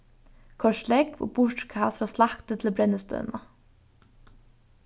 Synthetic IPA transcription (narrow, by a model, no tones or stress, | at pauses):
kʰɔʃlɛkʋʊ̰bʊɹʈkʰɑːsʋɑslɑkt̪ət̪ʰl̩bɾɛnəst̪œ̰ːnɑ